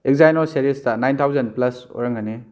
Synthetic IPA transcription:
ek̚zajnɔɾseɾestɐnajntʰawzɐn̚plɐsɔ̰ɾɐŋane

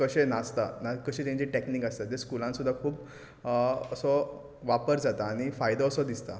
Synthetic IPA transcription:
kəɕenast̪anakəɕet̪ãɲt͡ɕiʈeknikast̪at̪eskulãnsud̪ʱːakʰuːp | əsɔ | ʋapəɾd͡zat̪aːɽ̃ifajd̪ɔːsɔd̪ist̪a

